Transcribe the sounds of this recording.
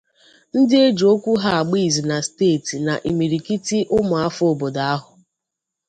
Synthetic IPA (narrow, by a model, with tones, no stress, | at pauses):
n̩˦dɪ˦e˦d͡ʒo˦kʷu˦ɦa˦a˨ɡ͡bi˦˨zi˨na˨steː˦˨ti˨na˨ʔi˨mi˨ɾi˨ki˦ti˦ʔʊ˦mʊ˨a˦fo˦˨bo˨da˨a˦ɦʊ˨